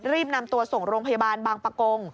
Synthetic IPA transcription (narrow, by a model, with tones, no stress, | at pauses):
ɾiː˥˩p̚na˧mt̪u˧ɐso˨˩ŋɾoː˧ŋpʰa˧ja˧baː˧nbaː˧ŋpa˧ko˧ŋ